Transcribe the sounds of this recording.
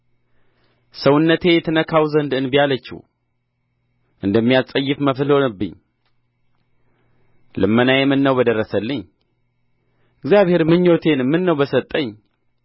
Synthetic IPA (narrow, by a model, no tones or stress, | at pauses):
səwʊnːət̪ʰe̞jɛt̪ʰɨnəkʰawzənd̪ɨnbijalət͡ʃːḭw | ʔɨnd̪əmːijalsʼəjːɪfməfɨlhonəbːɨ̰ɲː | lɨmːənajɛmːɨnːəwbəd̪ərːəsəlːɨɲ | ɨɡzjaβhe̞ɾmɨɲːo̞t̪ʰe̞nmːɨnːəwbəsət̪ʼːəɲː